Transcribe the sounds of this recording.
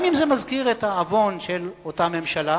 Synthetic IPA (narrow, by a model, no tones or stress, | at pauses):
mimzemazkiʁethaːvo̞nʃelotame̞mʃala